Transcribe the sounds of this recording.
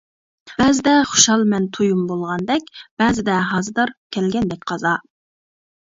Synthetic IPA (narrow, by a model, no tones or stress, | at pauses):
b̥ɛzɪd̪ɛχʊ̥ʃɑlˠmɛnt̪ʰujumbolˠʁɑnd̪ɛkʲb̥ɛːzɪd̪ɛɦɑzɨd̪ɑɾkʲʰɛlɡʲɛnd̪ɛkʲqʰɑzɑ